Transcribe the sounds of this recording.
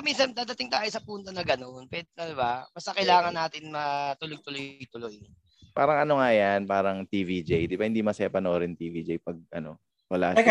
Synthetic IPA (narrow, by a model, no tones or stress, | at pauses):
minsɐnd̪aːd̪ɐt̪ɪŋt̪aːjosɐpuːnt̪ɐnɐɡɐno̞npɛd̪̚ɪkɐd̪ɪbamɐst̪ɐkɐjlaːŋɐnːaːt̪ɪnmɐt̪ʊloɡ̚t̪ʊlojt̪ʊloj | paːɾɐŋʔɐno̞ŋajanpaːɾɐŋt̪iːvid͡ʒejd̪ɪbɐhɪnd̪imɐsɛpɐnoːɾɛnt̪ivid͡ʒejpɐɡ̚ʔɐno̞̰ | wɐla̰